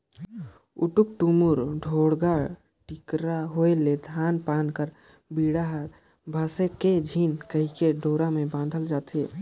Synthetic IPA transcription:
ʊ̰ʈʊk̚ʈumuɾɖʱoːɽɡaɽ | ʈɪkɾaɦoeled̪ʱaːnpaːnkəɾ | biːɽaɦɾ | bʱaːseked͡ʒʱiːnkəɦikeɖʱoːɾamẽbãːnd̪ʱəld͡ʒaːt̪eː

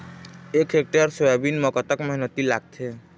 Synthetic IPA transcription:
ekʰek̚ʈaɾsojabinmɔkɔt̪akmɔɦinət̪ilaɡ̚t̪ʰe

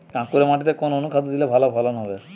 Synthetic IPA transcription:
kãkuɾemaʈit̪ekononukʰad̪d̪ilebʱalabʱɔlanɦɔbe

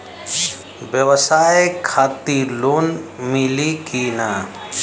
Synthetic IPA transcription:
bjəwsaːekʰaːt̪iɾloːnmilikinaː

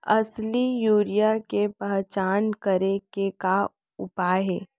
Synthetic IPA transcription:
ɐslijuːɾijakepəɦt͡ʃaːnkəɾekeka | ʊpaːɦeː

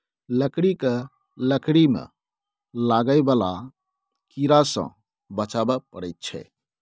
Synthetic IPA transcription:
ləkɽike | ləkɽimḛ | laɡəɪbala | kiɾasə̰̃ | bət͡ʃabəpəɽəjt̪̚t͡ʃʰɛ̰

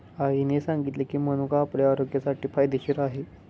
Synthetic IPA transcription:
aɦinesaŋɡit̪lekiːməñukaːpɽjaːɾoɡjasaʈiːfajd̪ʱeɕiːɾaɦe

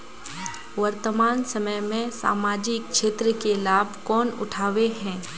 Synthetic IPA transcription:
ʋɐɾt̪əmaːnsɐməjmẽsa̰ːmaːd͡ʒɪkʃeːt̪ɾəkelaːbʱkɔːnʊ̰ʈʰaːʋeɦɛ̃ː

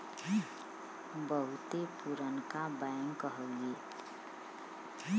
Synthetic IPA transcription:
bəɦut̪epuɾənkabaŋkəɦəle

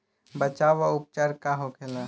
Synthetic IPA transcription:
bət͡ʃaːʋaʊp̚t͡ʃaːɾkaɦokʰela

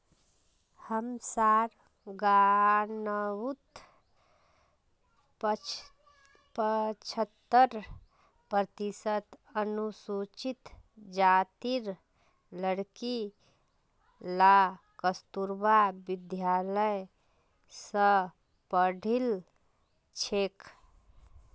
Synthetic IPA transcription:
həmsaɾ | ɡanəwut̪ | pət͡ʃʰət̪ːəɾ | pɾət̪isət̪ənusut͡ʃit̪d͡ʒat̪iɾ | ləɽki | la | kəst̪uɾbabid̪jaləj | sə | pəɖʱil | t͡ʃʰek

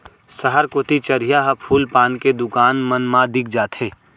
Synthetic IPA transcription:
səɦəɾkoːt̪it͡ʃɐɾijaɦɐpʰuːlpaːnked̪ʊkaːnmənmãd̪ɪk̚ʰd͡ʒaːt̪ʰɦeː

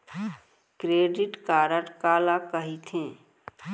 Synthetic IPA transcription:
kɾeːɖiʈkaːɾəʈkaːlakəɦit̪ʰẽː

